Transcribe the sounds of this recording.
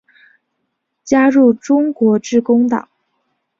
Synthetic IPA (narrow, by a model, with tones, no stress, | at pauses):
t͡ɕja˥ɻu˥˩ʈ͡ʂʊ˥ŋkwɔ˧˥ʈ͡ʂɻ̩˥˩kʊ˥ŋt̪ɑ̰˨˩˦ŋ